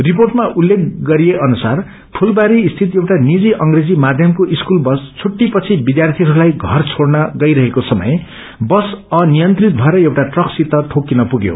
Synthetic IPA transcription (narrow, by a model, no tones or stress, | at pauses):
rip̬orʈmaʔulːek̚ɡʌɾijeʔʌnusar | pʰulbaɾiːst̪ʰit̪ewʈanid͡ziʔʌŋɡred͡zimad̪ʱjʌmkoʔiskulbʌst͡sʰuʈːipʌt͡sʰibid̪jart̪ʰiɦʌɾulajɡʱʌrt͡sʰoɽnʌɡʌjɾʌɦekosʌmʌ̰j | bʌsʌnijʌnt̪rit̪̚bʱʌeɾʌewʈaʈrʌksit̪ːʌt̪ʰokːinʌpuɡjo̰